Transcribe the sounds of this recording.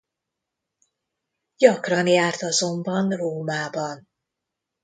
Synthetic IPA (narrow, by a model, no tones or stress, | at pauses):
ɟɒkrɒnjaːrt̪ɒzo̞mbɒnroːmaːbɒn